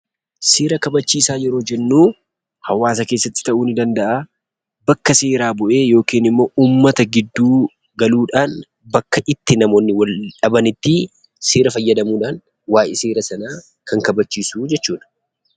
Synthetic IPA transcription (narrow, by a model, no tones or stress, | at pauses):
seːɾɐkɐbɐt͡ʃːiːsaːjɛɾo̞ːd͡ʒɛnːuː | hɐwaːsɐke̞ːsːɐt̪ːɪ̥t̪ɐʔuːnɪd̪ɐnd̪ɐʔaː | bɐkːɐse̞ːɾaːbʊʔe̞ːjo̞ːkiːnɪmːo̞ːʔuːmːɐt̪ɐɡɪd̪ːuː | ɡɐluːᶑaːn | bɐkːɐʔɪt̪ːɪnɐmo̞ːnːɪwɐlᶑɐbɐnɪt̪ːɪ | seːɾɐfɐjːɐd̪ɐmuːᶑaːŋ | waːjʔɪseːɾɐsɐnaː | kʰɐŋkɐbɐt͡ʃːiːsuːd͡ʒɛt͡ʃːuːᶑɐ̥